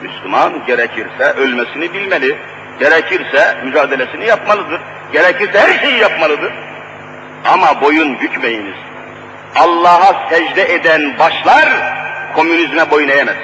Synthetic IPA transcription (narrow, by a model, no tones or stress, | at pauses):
myslʲymanɟeɾɛcʰiɾsɛʔølʲmɛsinibilʲmelʲi | ɟ̥eɾɛcʰiɾsɛmyd͡ʒaːd̪ɛlʲesinijapmalˠɯd̪ɯɾ̥ | ɟ̥eɾɛcʰiɾsɛhæɾʃe̞jijapmalˠɯd̪ɯɾ̥ | amabo̞junjycʰmejiniz̥ | ɑlˠːɑːɦasɛʒd̪ɛʔed̪ænbaʃlˠaɾkʰo̞mynizmɛbo̞junejɛmɛz